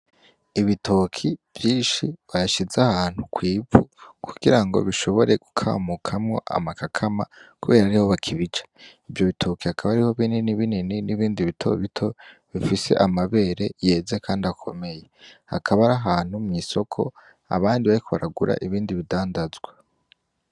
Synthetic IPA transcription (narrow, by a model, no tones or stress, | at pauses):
iβitʰo̞kʰiv̥jiːnʃiβaɾaʃizahaːn̥hukwiːbṵkʰuɡ̥iɾaŋɡo̞̰βiʃo̞βo̞ɾe̞ɡ̥ukʰa̰ːmukʰamŋo̞̰ʔa̰makakʰama̰kuβe̞ːɾaɾiho̞βakʰiβit͡ʃḁ | ivjo̞βitʰo̞kihakʰaβaɾiho̞βininiβinininiβiːndiβitʰo̰βitʰo̞βifise̞̰ʔamaβe̞ːɾe̞je̞ːzekʰaːndiakʰo̞̰me̞je̞ha̰kʰaβaɾaɦaːn̥humŋiso̞kʰo̞̰ | a̰βaːndiβaɾikʰo̞βaɾaɡuɾa̰ʔiβiːndiβidaːndazɡwe